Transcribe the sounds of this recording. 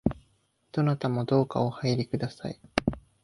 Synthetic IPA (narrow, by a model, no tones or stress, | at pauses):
d̪̥o̞nat̪amo̞d̪o̞ːka̰ohaiɾʲikɯ̟d̪asa̰i